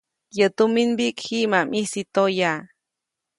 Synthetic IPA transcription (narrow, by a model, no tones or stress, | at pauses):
jət̪uminbikhimamʔisit̪oja